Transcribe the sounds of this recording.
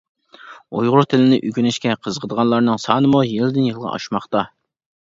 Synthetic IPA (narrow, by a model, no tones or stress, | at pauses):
ojʁʊɾt̪ʰɪlɪnɪʔykʲynɪʃkʲɛqʰəzəʁʰəd̪əʁɑnlˠɑɾnɨŋsɑːnɨmujilɪd̪ɪnjilˠʁɑ̰ɑ̰ʃmɑχt̪ɑ